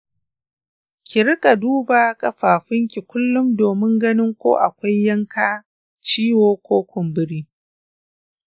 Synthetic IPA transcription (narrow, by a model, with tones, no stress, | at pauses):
kʲɪ˨ɾɪ˦kʼa˨duː˦baː˨kʼɐ˨ɸaː˨ɸɪ˦ŋkʲi˨kʷʊ˦lːʊ˦mdoː˨mɪ˦ŋɡɐ˦nɪ˦ŋkʷo̰ː˦ʔa˨kʷa˦jːɐ˦ŋkʰaː˦ | t͡ʃiː˦woː˦kʷoː˦kʷʊ˨mbɪ˦ɾiː˦